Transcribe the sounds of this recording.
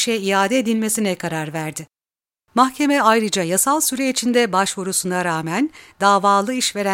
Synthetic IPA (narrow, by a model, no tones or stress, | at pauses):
ʃɛijaːd̪ɛːd̪ilʲme̞sinɛkʰaɾaɾvæɾd̪ɪ | maxcʰe̞mɛajɾɯd͡ʒajasalˠsyɾɛit͡ʃʰind̪ɛbaʃvuɾusunaɾaːmænd̪aːvaːlˠɯiʃve̞ɾæ